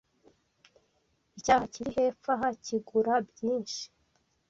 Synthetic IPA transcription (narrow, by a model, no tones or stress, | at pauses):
icaːhaciɾihe̞ːfaɦaciɡuɾabjiːnʃi̥